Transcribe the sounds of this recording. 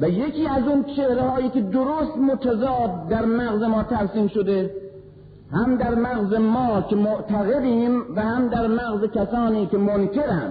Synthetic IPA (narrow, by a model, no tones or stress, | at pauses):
væjekʰiːæzunt͡ʃʰehɾehɒːjiːkʲed̪oɾost̪mot̪ʰæzɒːt̪̚d̪æɾmæɣzemɒːt̪ʰæɾsiːmʃod̪e | hæmd̪æɾmæɣzemɒːkʲʰemoʔt̪ʰæɣed̪iːmvæhæmd̪æɾmæɣzekʲʰæsɒːniːkʲemonkʲʰeɾænd̪̥